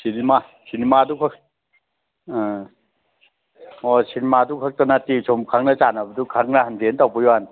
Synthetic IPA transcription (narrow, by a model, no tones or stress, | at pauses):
sinimasinimadukʰak | ɔsinimadukʰak̚tanatisʰɔmkʰaŋnat͡ʃanabɐdukʰaŋnahandeentawpɯjɔan